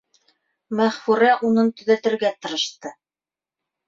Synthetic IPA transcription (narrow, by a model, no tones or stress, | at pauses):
mæχfuɾæʔunɤnt̪ɵ̆ðæt̪ɘ̆ɾɡæt̪ɤ̆ɾɤ̆ʃt̪ɤ